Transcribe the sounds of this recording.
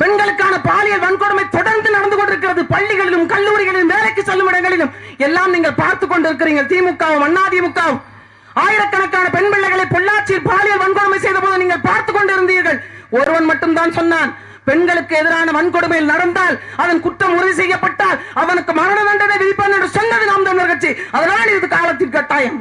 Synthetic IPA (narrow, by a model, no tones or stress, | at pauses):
pɛɳɡɐɭɯkːaːnɐpaːlɪjɐlʋɐnkɔɽɯmɐɪt̪ːɔɽɐɾnd̪ɯnɐɽɐnd̪ɯkɔɳɖɪɾɯkːɪɾɐðɯpɐɭːɪɣɐɭɪlɯmkɐɭːuːɾɪɣɐɭɪlɯmʋeːlɐɪkːɯsɛlːɯmɪɽɐŋɡɐɭɪlɯmɛlːaːmniːŋɡɐɭpaːɾt̪ɯkːɔɳɖɪɾɯk̬ːɪɾiːŋɡɐɭt̪iːmɯkːaːʋɯmɐnːaːðɪjɐmɯkːaːʋɯm | aːjɪɽɐkːɐɳɐkːaːnɐpɛɳpɪɭːɐɪɣɐɭɐɪpɔɭːaːɾt͡ʃːɪjɪlpaːlɪjɐlʋɐnkɔɽɯmɐɪsɛjðɐpoːðɐniːŋɡɐɭpaːɾt̪ɯkːɔɳɖɯɪɾɯnd̪iːɾɣɐɭɔɾɯʋɐnmɐʈːɯmt̪aːnsɔnːaːn | pɛɳɡɐɭɯkːɯɛðɪɾaːnɐʋɐnkɔɽɯmɐjɪlnɐɽɐnd̪aːlɐðɐnkʊʈrɐmʊɾɐðis̬ɛjːɐpːɐʈːaːlɐðɐnɯkːɯmɐɾɐnɐðɐnɖɐðɐʋɪðɪpːɐnːɛnrɯsɔnd̪ɐðɯnaːmd̪ɐnɐɾɣɐɾt͡ʃːiɐðɐlaːnɪɾɯðɯkaːɭɐt̪̬ːɪnkɐʈːaːjɐm